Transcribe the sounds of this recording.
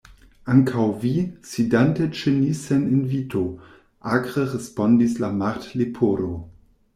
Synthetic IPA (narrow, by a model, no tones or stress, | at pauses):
aŋkʰawvisidantet͡ʃeniseninvitʰo | ʔaɡʁəʁespondislamaʁtlipʰoɾo